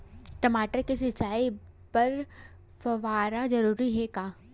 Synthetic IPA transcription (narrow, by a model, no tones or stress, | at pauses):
ʈ̪ɐmaːʈəɾkisɪt͡ʃaːi | pɐɾ | fɐʋaːɾazɐɾuːɾiɦɛkaː